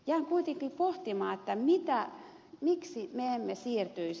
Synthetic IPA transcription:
jæːŋkuit̪eŋkipoht̪imɑːet̪ːæmit̪æ | miksimeemːesiːrt̪yi

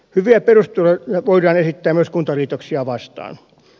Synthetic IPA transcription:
hyʋiæperust̪ulɑɑʋoiɾˑɑːnesit̪ːæːmyøskunt̪ɑliːt̪oksiɑʋɑst̪ɑ̰ːn

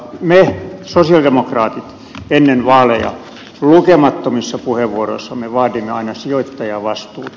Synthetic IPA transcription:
mesosiɑldemokrɑːt̪it̪ | enːenʋɑːlejɑ̰ | lukemɑt̪ːomisːɑpuheʋːuoro̰isːɑmeʋɑːdimːeɑinɑsioit̪ːɑjɑʋɑst̪ṵː

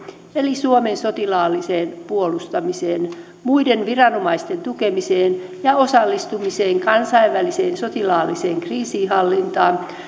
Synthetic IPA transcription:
elisuomensot̪ilɑːlːiseːnpuolust̪ɑmiseːn | muidenʋirɑnomɑist̪ent̪ukemiseːn | jɑosɑlːist̪umiseːŋkɑnsɑiʋʋæliseːnsot̪ilɑːlːiseːŋkriːsiːɦɑlːint̪ɑːn

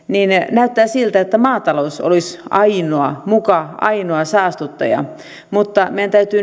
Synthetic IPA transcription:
niːnenæyt̪ːæːsilt̪æet̪ːæmɑːt̪ɑlouso̰lisɑinoɑmukɑɑ̰inoɑsɑːst̪ut̪ːɑ̰jɑ̰ | mut̪ːɑmejænt̪æyt̪yː

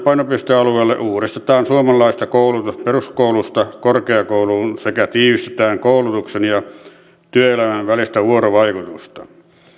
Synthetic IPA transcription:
pɑˑinopist̪eɑlueˑːlːḛʔʔuːrist̪et̪ɑːnsuomɑlˑɑˑist̪ɑkoˑulut̪usperuskoˑulust̪ɑkorkeɑkoˑuluːnsekæt̪iːʋist̪et̪æːŋkoˑulut̪uksenjɑ | t̪yøelæmæʋʋælist̪æʋuoroʋɑikut̪ust̪ɑ

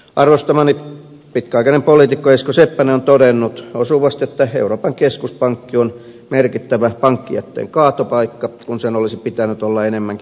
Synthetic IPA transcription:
ʔɑrʋost̪ɑmɑni | pit̪kæɑikɑnempoliːˑt̪ikːoeˑskosepːæneont̪odenːut̪osuʋɑst̪et̪ːæḛuroːpɑŋkeskuspɑŋkːion | merkit̪ːæʋæpɑŋkːiɑ̰t̪ːḛːŋkɑːt̪opɑikːɑkunsenolisipit̪ænyt̪olːɑenemːæŋk

